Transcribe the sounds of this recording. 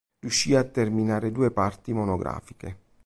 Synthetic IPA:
rjuʃːiːat̪ːerminaːɾed̪uːepart̪imonoɡɾa̰ːfike

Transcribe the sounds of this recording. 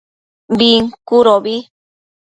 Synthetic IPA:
biŋkuɾobi

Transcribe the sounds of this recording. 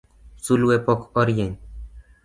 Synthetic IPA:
sulwepɔkɔɾjeɲʲ

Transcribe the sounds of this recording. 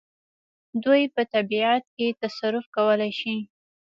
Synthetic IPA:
d̪ujpət̪abiat̪̚ket̪asaɾʊfkawəlajʃi

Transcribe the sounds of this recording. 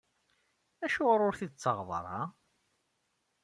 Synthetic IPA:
æʃʊɾˤʊɾθid̪ət͡sːəʁð̰ˤɾˤɑ̰

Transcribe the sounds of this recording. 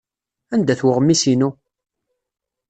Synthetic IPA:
ænd̪æθwəʁəmːisinu

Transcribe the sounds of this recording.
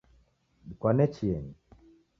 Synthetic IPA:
dikwanɛt͡ʃiɛni

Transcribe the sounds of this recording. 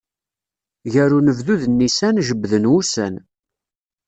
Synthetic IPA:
ʝæɾunəvðuðənːisænʒəbːðənwusæ̰n

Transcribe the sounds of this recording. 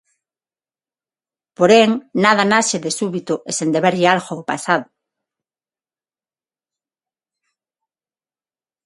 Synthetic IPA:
poɾeŋnað̞anaʃeðesuβit̪ʊʔesend̪eβeɾʎalxoopa̰saðʊ

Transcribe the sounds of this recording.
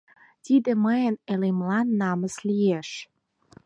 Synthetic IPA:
t̪id̪ə̆məjənelemlɑnːɑmə̆slijeʃ

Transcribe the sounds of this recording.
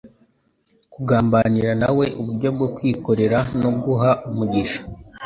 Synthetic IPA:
kuɡaːmbaniɾanawe̞ʔuβuɾɟo̞b̚ɡokwiːko̞ɾe̞ɾano̞bɡuɦaumuɟiʃḁ

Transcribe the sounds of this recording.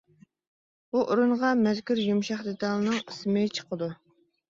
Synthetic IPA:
buʔoɾuɴʁɑmɛzkʲyɾjumʃɑχd̪et̪ʰɑlˠɨnɨŋismɪt͡ʃʰə̥qʰəd̪u

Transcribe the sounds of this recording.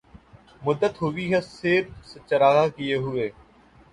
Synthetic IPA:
mʊd̪ːət̪ɦʊʋiːɦɛsɪːɾset͡ʃəɾaːɦaːkieːɦʊeː

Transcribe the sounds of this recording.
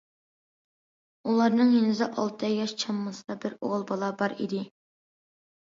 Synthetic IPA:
ulˠɑɾnɨŋjenɪzɪʔɑlˠt̪ʰɛjɑʃt͡ʃʰɑmːɨsɨd̪ɑbɪɾo̰ʁlˠbɑlˠɑbɑɾḭd̪ɪ

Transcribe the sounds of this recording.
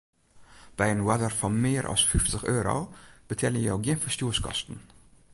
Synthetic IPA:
b̥æɪeːnwɛd̪əɾfɔmeːɾʔɑ̰sfʏft̪ʰəχœːɾɑ̰b̥ət̪ʰɛːləjɑːɡjenfəst̪uːəskʰɑ̰st̪n̩

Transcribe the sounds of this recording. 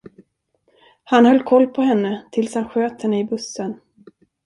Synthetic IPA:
hanhœlːkʰɔlːpʰɔɦɛnːət̪ʰɪlshanɧøːt̪hɛnːəɪbɵsən

